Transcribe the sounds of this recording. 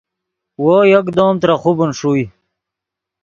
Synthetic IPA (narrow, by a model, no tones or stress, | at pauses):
woːjɐkd̪oːmt̪ɾaχubənʂuj